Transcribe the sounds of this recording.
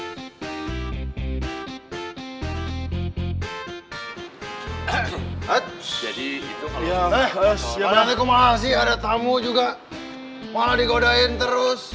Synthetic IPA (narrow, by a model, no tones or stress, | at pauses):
ət̪̚d͡ʒadiit̪uaa | anat̪ikumalas̬ɪhadat̪amud͡ʒuɡa | maladikodaɪnt̪əɾʊs